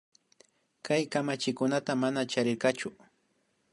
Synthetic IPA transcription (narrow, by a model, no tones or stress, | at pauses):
kajkamat͡ʃɪkʊnat̪amanat͡ʃaɾɪɾkɑt͡ʃʊ